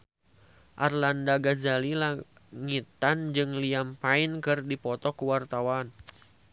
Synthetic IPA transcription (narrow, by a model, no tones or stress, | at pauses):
ʔarlandaɡazalila | ŋit̪and͡ʒɨŋliampainkɨrdipɔt̪ɔkuwart̪awan